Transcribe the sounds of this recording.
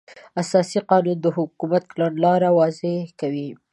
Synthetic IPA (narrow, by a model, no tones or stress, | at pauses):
asɑsiqɑnund̪əhʊkumat̪̚klanlɑɾawɑzɪhkawi